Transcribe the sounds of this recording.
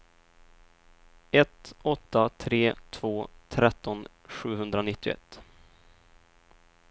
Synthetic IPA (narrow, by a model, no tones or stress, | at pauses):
ɛt̪ɔt̪ːat̪ʰɾeːt̪ʰvoːt̪ʰɾɛt̪ʰːɔn | ɧʉ̟ːɦɵnd̪ɾanɪt̪ːɪʊ̰ɛ̰t̪ː